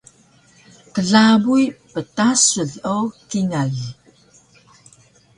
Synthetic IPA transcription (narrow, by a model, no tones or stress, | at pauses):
kəɮabujpətasuɮowkinaɮ